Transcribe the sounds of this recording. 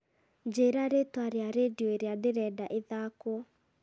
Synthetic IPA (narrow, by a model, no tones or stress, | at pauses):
d͡ʒeɾaɾetwaɾeaɾedioeɾeadeɾɛdaʔeðakwɔ